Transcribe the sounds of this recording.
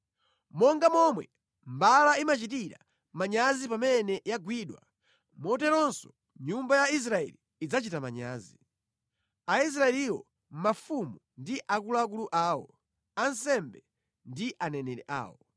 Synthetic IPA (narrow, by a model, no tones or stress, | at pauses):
mɔŋɡamɔmwɛ̰ | mbalaimat͡ʃitiɾa̰ | maɲazipamɛnɛjaɡwiɗwa̰ | mɔtɛɾɔnsɔ | ɲumbajais̬ɾaɛ̰liːd͡zat͡ʃitamaɲa̰ːzi | ais̬ɾaɛliwɔ̰ | m̩mafumundiʔakulaːk̬uluʔaːwɔ | ansɛmbɛ | ndiʔanɛnɛɾɛʔa̰ːwɔ